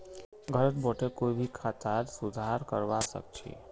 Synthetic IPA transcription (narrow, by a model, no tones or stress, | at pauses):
ɡʱəɾət̪bɔʈekoibʱikʰat̪aɾsud̪ʱaɾkə̰ɾʋasə̰k̚t͡ʃʰḭ